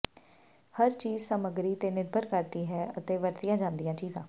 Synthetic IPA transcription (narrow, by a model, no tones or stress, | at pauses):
həɾt͡ʃiːzsəməɡɾiːt̪eːnɪɾbʱəɾkəɾd̪iːɦɛːət̪eːʋəɾt̪ɪjãːd͡ʒãːnd̪ijãːt͡ʃiːzãː